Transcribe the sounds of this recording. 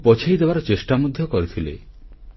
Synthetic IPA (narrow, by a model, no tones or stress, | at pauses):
pɔt͡ʃʰejd̪ebaɾɔt͡ʃesʈamod̪ʱjɔkɔɾit̪ʰilḛ